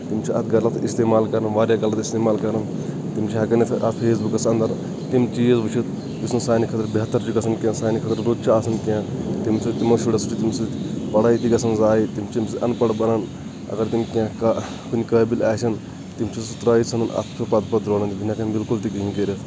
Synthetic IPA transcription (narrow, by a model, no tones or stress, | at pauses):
t̪imʲt͡ʃʰiʔɐ̰t̪ʰɡɐlɐt̪ist̪eːmaːlkɐɾɐnʋaːɾʲjaɡɐlɐt̪ist̪eːmaːlkɐɾɐn | t̪imʲt͡ʃʰiɐɡɐnit̪ʰʔɐ̰t̪ʰpʰeːs̬bukɐsɐnd̪ɐɾ | t̪imt͡ʃiːzbut͡ʃʰit̪ | bisnɐsaːnikʰɐt̪ɐɾbeɦɐt̪ːɐɾd͡ʒikɐsʰɐnkʲjãːsaːnikʰɐt̪ɐɾɾuːt̪t͡ʃʰiaːsɐnkʲãːt̪imsʰit̪imɐsuɽɐsuʈit̪imʲsipɐɽait̪ikɐsɐnzaːit̪imt͡ʃʰimsɨʔɐnpɐɽbɐnɐn | ɐ̰ɡɐɾt̪imkʲãka | kunʲikɐːbilʲaːt͡ʃʰɐn | t̪imt͡ʃʰisut̪ɾaːit͡sʰɐnɐnɐ̰t̪ʰt͡ʃʰupɐt̪pɐd̪ɾoːɽɐnt̪ibinakɐnbilkult̪ikiɦikeɾit̪ʰ